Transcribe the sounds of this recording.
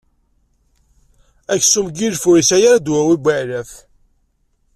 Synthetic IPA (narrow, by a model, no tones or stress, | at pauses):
æçsumɡilfuɾisæjaɾd̪wæwibæʕlæθ